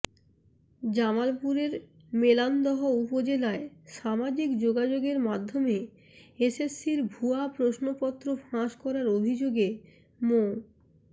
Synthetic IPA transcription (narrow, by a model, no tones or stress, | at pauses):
d͡ʑamalpuɾeɾ | meland̪ɔɦoupod͡ʑelaeʃamad͡ʑikd͡ʑoɡad͡ʑoɡeɾmad̪ʱːome | esesːiɾbʱuapɾoʃnopɔt̪ːɾofãʃkɔɾaɾobʱid͡ʑoɡe | mo